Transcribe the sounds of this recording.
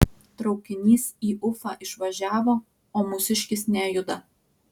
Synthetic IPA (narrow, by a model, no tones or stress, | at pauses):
t̪ɾɒʊkʲɪnʲiːsiːʔʊfɑʔɪʃʋɐʒʲæːʋoː | oːmʊsʲɪʃʲkʲɪsnʲɛjʊd̪ɐ